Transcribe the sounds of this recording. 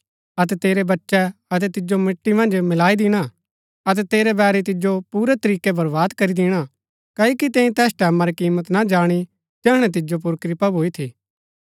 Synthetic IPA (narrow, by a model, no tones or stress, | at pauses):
ɐt̪̬ɛt̪eːɾebɐtːʃɛɐt̪̬ɛt̪ɪd͡ʒomɪʈːimɐ̃nd͡ʒmɪlaːid̪ɪɽ̃a | ɐt̪̬ɛt̪eːɾɛbɛːɾɛt̪ɪd͡ʒopuːɾɛt̪ɐɾiːkɛbɐɾʋaːd̪kɐɾid̪ɪɽ̃a | kaːikit̪ẽːĩt̪ɛːsʈɛːmãɾikiːmət̪nad͡ʒaːɽ̃i | d͡ʒɛːɽ̃ɛt̪̬ɪd͡ʒop̬ʊɾkɾɪpabʱoːit̪ʰiː